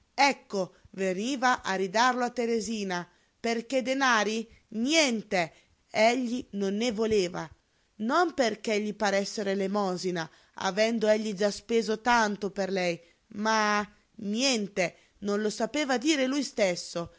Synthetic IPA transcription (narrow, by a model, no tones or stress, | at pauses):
ɛkːoveniːvaʔaɾid̪arloat̪ːeɾeziːna | perk̟ed̪enaːɾi | njɛnt̪e | ɛʎːinonːevoleːva | nomperk̟eʎːipaɾɛsːeɾelemɔːzina | a̰vɛnd̪oeʎːid͡ʒaspeːzot̪ant̪operlɛj | ma | njɛnt̪e | nonlosapeːvad̪iːɾelujst̪esːo